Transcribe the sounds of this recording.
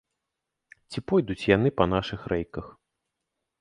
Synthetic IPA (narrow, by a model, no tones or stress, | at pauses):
t͡sʲipɔjd̪ut͡sʲjan̪ɨpɐnaʂɨxɾɛjkɐx